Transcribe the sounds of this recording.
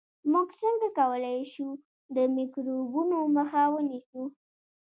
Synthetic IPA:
muɡsəŋɡakawəlajʃu | d̪əmɪkɾobunoməxawənisu

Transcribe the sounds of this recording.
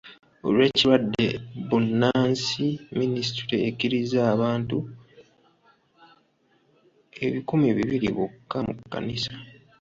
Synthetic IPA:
o̞̰lwe̞ːciɾwadːe̞̰bunːaːnsiminisitiɾeːkiɾizaːβaːntu | e̞̰βikumiβiβiɾḭβukːamukːa̰nisḁ

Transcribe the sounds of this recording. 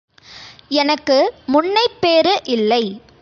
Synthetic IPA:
ɛnɐkːɯmʊɳːɐɪpːeːɾɯʔɪlːɐɪ

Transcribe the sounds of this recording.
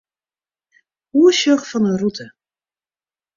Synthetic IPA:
uəʃøχfɔnərutʰə

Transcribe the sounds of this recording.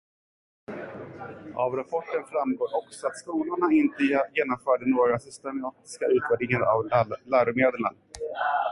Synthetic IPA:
ʔavɾapʰɔʈːənfɾamɡoːɾɔksɔat̪skuːlʊɳaɪnt̪əjeːnɔmfœːɖənoːɡɾasʏst̪ɛmɑːt̪ɪ̥skaʉ̟ːt̪væɖ̪ɪŋaɾa̰vlæːɾʊmeːd̪əɳa

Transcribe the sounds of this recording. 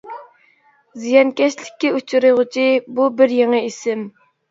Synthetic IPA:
zijɑnkʲɛʃlɪkʲːɛut͡ʃʰuɾɨʁʊt͡ʃʰibubɪɾjeŋəisɪm

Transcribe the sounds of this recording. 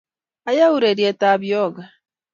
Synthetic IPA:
ajauɾeɾijetaβjoɡa

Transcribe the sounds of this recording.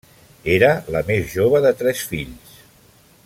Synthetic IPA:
eɾələmezʒoβ̞əðət̪ɾɛsfiʎs

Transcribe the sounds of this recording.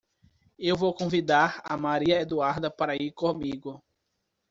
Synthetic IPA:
ewvowkõvid̪aɾa̰maɾiɐed̪uaɾd̪ɐpaɾɐiɾkõmiɡʊ

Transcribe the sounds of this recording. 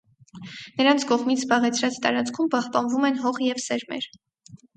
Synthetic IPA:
nəɾɑnt͡sʰkɔʁmit͡sʰzbɑʁɛt͡sʰɾɑt͡st̪ɑ̰ɾɑt͡skʰumpɑhpɑnvumɛnɦɔʁjɛvsɛɾmɛ̰ɾ

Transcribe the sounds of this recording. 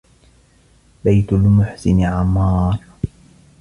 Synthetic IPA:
bajt̪ʊlmʊħsɪnɪʕamːɑːɾˤ

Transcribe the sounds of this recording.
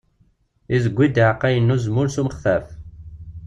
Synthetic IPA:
izəɡʷːid̪ʕqːæjənːuzmʊɾsuməχθæf

